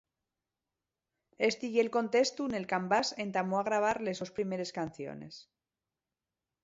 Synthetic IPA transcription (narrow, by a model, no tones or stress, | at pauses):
e̞st̪iʝelko̞nt̪e̞st̪une̞lkambase̞nt̪amoaɣ̞ɾaβ̞aɾle̞so̞spɾime̞ɾe̞skan̟θjo̰ne̞̰s